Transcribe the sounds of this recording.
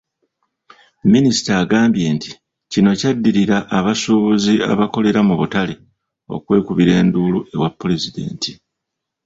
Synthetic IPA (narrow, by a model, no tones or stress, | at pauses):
minisi̥taːɡaːmbje̞ːnti̥ | cino̞cadːiɾiɾaʔːβasuβuzia̰βako̞le̞ɾamuβutale | o̞̰kwe̞ːkuβiɾe̞ːndulue̞̰wapːule̞zide̞̰ːnti̥